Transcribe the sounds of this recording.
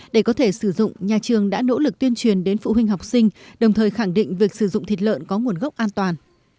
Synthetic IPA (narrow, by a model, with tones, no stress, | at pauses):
ɗe˧˩kɔ˨˦t̪ʰe˧˩sɨ˧˩zʊ̰˧˨ŋ͡mɲaː˨˩t͡ɕɨ˨˩əŋɗa̰ː˧˥no̰˧˥lɨ˨˩k̚t̪wi˧ənt͡ɕwi˨˩ənɗe˨˦nfṵ˧˨ɦwï˧ŋ̟ɦa˨˩wk͡p̚sï˧ŋ̟ɗə˨˩wŋ͡mt̪ʰəː˨˩jxa˧˩ŋɗḭ˧˨ŋ̟vi˨˩ək̚sɨ˧˩zʊ̰˧˨ŋ͡mt̪ʰi˨˩t̚lə̰ː˧˨nkɔ˨˦ŋu˨˩ənɣə˦˥k͡p̚ʔaː˧nt̪waː˨˩n